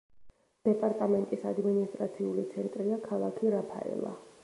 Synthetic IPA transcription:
d̪̥ɛpʼaɾt̪ʼamɛnt̪ʼisad̪minist̪ʼɾat̪sʰiulit̪sʰɛnt̪ʼɾiakʰalˠakʰiɾapʰa̰ɛ̰lˠa̰

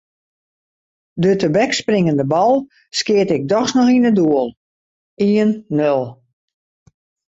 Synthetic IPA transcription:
dətəbɛksprɪŋəndəbɔlˠ | skɪətɪk̚dɔxsnɔxinəduəlˠ | iənːølˠ

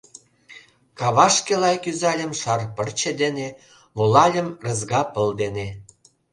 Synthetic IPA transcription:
kɑβɑʃkelɑjkyzɑlʲə̆mʃɑrpərt͡ɕed̪ene | βulɑlʲə̆mrə̆zɣɑpəld̪ene

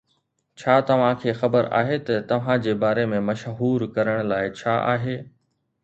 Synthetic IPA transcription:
t͡ɕʰaːt̪ɐʋ̤ãkʰeːxɐbəɾa̰ːɦet̪ɐt̪ɐʋ̤ãd͡ʑeːbaːɾemẽmɐʃɦuːɾkɐɾəɽ̃laːɪt͡ɕʰaːʔa̰ːɦeː

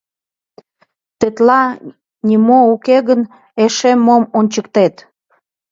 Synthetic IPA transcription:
t̪et̪lɑ | nʲimoukeɣən | eʃemːomonʲt͡ɕəkt̪et̪

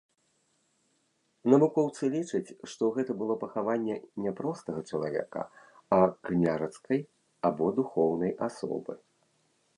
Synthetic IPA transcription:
nɐvukɔwt̪sɨlʲit͡ʂɐt͡sʲʂt̪ɔɣɛt̪ɐbɨlˠɔpɐxavanʲːɛnʲɛpɾɔst̪ɐɣɐt͡ʂɐlˠavʲɛ̰kɐ̰ | aknʲaʐɐt̪skɐj | abɔd̪uxɔwnɐjʔasɔ̰bɨ̰

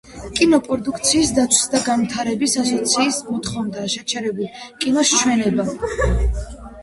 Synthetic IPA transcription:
kʼinɔpʼɔd̪uk̚ʰt̪sʰiːsd̪at̪sʰwi̥sd̪aɡanvt̪ʰaɾɛbisasɔt̪sʰiːsmɔt̪ʰχɔvnd̪aʃɛt͡ʃʰɛɾɛbulˠkʼinɔst͡ʃʰwɛnɛba

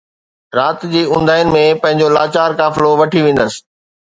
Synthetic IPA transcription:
ɾaːt̪d͡ʑiːʊ̃nd̪ʱaːjnɪ̆mẽpɐ̃ɦɪ̃ɲ̆d͡ʑola̰ːt͡ɕaːɾkaːfɪloʋɐʈʰiʋẽːn̆d̪əs̆

